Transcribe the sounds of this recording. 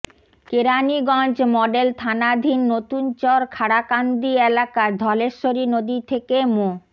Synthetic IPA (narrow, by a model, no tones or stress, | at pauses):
keɾaniɡɔ̃nd͡ʑmɔɖelt̪ʰanad̪ʱinːot̪unt͡ɕɔɾkʰaɽakand̪ielakad̪ʱɔleɾʃoɾinod̪it̪ʰekemo